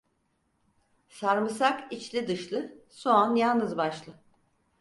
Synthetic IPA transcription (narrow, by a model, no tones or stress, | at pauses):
saɾmɯsakit͡ʃlʲid̪ɯʃlˠɯsoanjalˠnɯzbaʃlˠɯ